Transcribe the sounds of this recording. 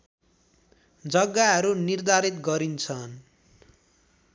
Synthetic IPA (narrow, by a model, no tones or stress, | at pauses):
d͡zʌɡːaɦʌɾunird̪ʱaɾit̪ɡʌɾint͡sʰʌn